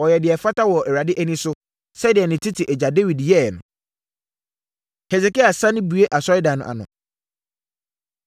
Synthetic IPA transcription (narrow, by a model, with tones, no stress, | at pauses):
ɔ˨jɛ˨dɪ˨ɛ˨fa˦ta˦wɔ˨ʔɛ˨wɾa˨dɪ˦ʔæ˦nĩ˦sʊ˦ | sɛ˦dɪ˨ɛ˨nɪ̃˨tʰɪ˦tʰɪ˨ʔɛ˨d͡ʑa˨de˦wi˨djɛ˦˨ɛ˨nʊ̰̃˨ | hɛ˨sɛ˨ki˦a˨sã˦nɪ̃˦bu˨e˦ʔa˨sɔ˦ɪ˦dã˨nʊ̃˨ʔa̰˨nʊ̰̃˨